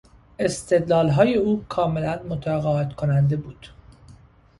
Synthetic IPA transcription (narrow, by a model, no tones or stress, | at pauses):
ʔe̞st̪ʰe̞d̪lɒːlɦɒːje̞uːkʰɒːme̞lænmot̪ʰɒɣɒːet̪kʰo̞nænd̪e̞buːd̪̥